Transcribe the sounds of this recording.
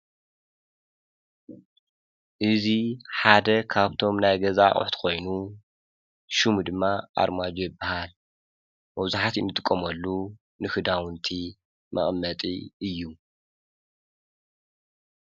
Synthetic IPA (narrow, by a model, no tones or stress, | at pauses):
ʔɨziħad̪ɐkʰaβt̪ʰo̞mnajɡɐzaʔʼʊ̰ħt̪ʰkʰo̞jnu | ʃumud̪ɨmːaʔa̰ɾmad͡ʒojɨbːahal | mɐβzaħat̪ɨ̰nːɨt̪ʼɨkʼːɐmɐlːu | nɨkɨd̪awɨnt̪ʰi | mʔɐ̰χʼmːɐt̪ʼiɨjːu